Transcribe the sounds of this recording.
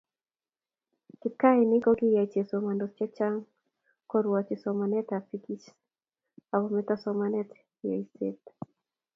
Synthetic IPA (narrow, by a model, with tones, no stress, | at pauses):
kɪ˨ka˦ɪnɪ˦kɔ˦ɡɪ˦ja˨t͡ʃe˨so˨ma˨ndot͡ʃɛ˦t͡ʃa˦ŋ | kɔ˦ɾwat͡ʃɪsomanɛ˦ta˨piki˦t͡ʃ | a˨ɡo˨mɛt̪ɔsɔmanɛt | ja̰˨i˨sḛt̪